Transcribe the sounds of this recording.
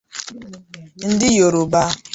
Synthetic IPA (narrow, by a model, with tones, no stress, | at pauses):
n̩˦dɪ˦jo˨ɾo˨ba˦